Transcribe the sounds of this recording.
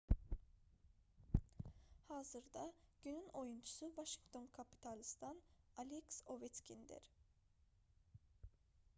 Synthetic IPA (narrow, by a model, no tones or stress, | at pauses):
haːzɯɾd̪aɟ̥ynyno̞junt͡ʃʰu̥suvaʃi̥ŋkt̪ʰo̞nkʰapʰi̥t̪ʰalʲist̪ʰanalʲɛkso̞vɛt̪cʲʰind̪ḭɾ̥